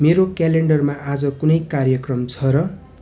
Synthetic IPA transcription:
meɾokaleɳɖʌrmaʔad͡zʌkunʌjkarjʌkrʌmt͡sʰʌɾʌ

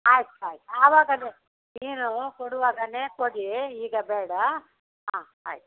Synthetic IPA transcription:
aːjt̪aːjt̪aːʋaːɡɐneː | niːnukoɽuʋaːɡɐne̞ːkoɽiiːɡɐbɛːɽɐ | ɦãː | aːjt̪

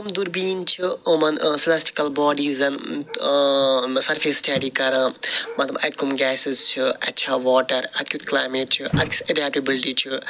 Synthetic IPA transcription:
umd̪uɾbiːnt͡ʃʰɨomɐnsɐlasʈi̥kɐlbɔːɖiːzɐn | sɐɾfʰeːsʈɐːɖiːkɐɾɐ̃mɐt̪lɐbɐt̪kʰumɡɛːsizt͡ʃʰiɐ̰tːʃʰaːʋɔːʈɐɾɐt̪̚kjut̪klaːmeːʈ̚t͡ʃʰɨʔɐt̪ki̥sɐɖɛːp̚ʈɐbilʈiːt͡ʃʰɨ

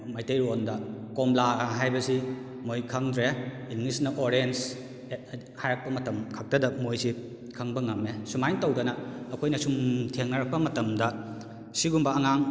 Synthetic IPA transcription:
majtejɾondɐkomlaɐɦajbɐsi | mojkʰɐŋdɾeinɡlisnɐʔoɾens | hajɾɐk̚pɐmɐtɐmkʰɐk̚tɐdɐmojsi | kʰɐŋbɐŋɐmːesumajntɐwdɐnɐːkʰojnɐsumtʰeŋnɐɾɐk̚pɐmɐtɐmdɐ | siɡumbɐːŋaŋ

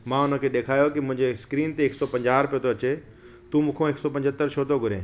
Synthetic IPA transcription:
mãːʊnə̆kʰeːɗ̪eːkʰaːjokimʊ̃ɦɪ̃ɲd͡ʑeskɾiːnt̪eːksɔpɐ̃ɲd͡ʑaːɾpijot̪ʰoɐt͡ɕe | t̪uːmũːkʰõeːksɔpɐ̃ɲd͡ʑʱət̪ːəɾt͡ɕʰoːt̪oɡʱʊɾḛ̃ː

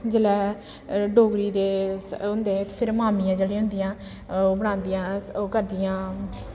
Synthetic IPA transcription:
d͡ʒəlɛː | ɖoːɡɾiːd̪eːʊ̃nd̪eːt̪eːpʰɪɾmaːmijãːd͡ʒəɽẽːɦʊ̃nd̪ijãː | bəɽ̃ãːnd̪ɪjãːkəɾd̪ɪjãː

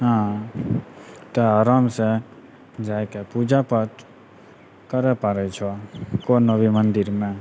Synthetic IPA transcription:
ɦã | t̪eaɾamse | d͡ʒajkepud͡ʒapət̪ | kəɾɛpaɾɛt͡ʃʰokonəʋimənd̪ɪɾmẽ

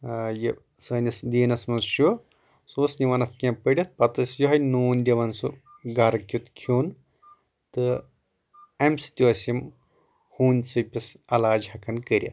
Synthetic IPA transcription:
jɐ | sɐːnʲɐsd̪ʲiːnɐsmɐnsʃu | soːsniʋɐnɐt̪ʰkʲɐ̃pəɽʲɐt̪̚pɐt̪ɐsjɐɦɐjnuːnʲd̪ʲɐʋɐnsu | ɡaɾɐkʲut̪kʰoːn | t̪ɨ | ɐmsi̥t̪ʲiʋɐsʲim | huːnʲsɨpʲisɐlaːd͡ʒhɐkʰɐnkəɾʲɐ̰

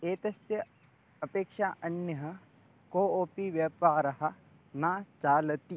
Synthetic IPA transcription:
eːt̪ɐsjɐ | ɐpeːkʃaːʔɐnjɐɦɐ | koːoːpiʋjɐːpaːɾɐɦɐ | naːt͡ʃaːlɐt̪i

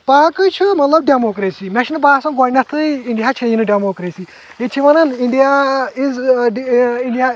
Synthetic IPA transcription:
paːkɨt͡ʃʰumɐt̪lɐb̚ɖemokɾesiːmɛʃinbaːsɐnɡaːnɐt̪ʰɨiɳɖijat͡ʃʰejinɨɖemoːkɾesiː | jet͡ʃʰiʋɐnɐniɳɖijaiz | iɳɖija

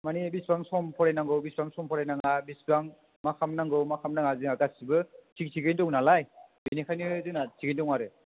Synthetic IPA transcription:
manibisbaŋsɔmpʰɔɾajnaŋɡɯwbisbaŋsɔmpʰɔɾajnaŋabisbaŋ | makʰamnaŋɡɯmakʰamnaŋaziŋaɡasibɯsʰiksʰiɡɯndɔŋnalajbinikʰajniɯzɯnasʰiɡɯndɔŋaɾɯ

